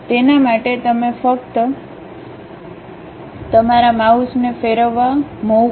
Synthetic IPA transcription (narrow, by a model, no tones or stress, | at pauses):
t̪enamaʈet̪əmefəkt̪ | t̪əmaɾamausnefeɾəʋːamo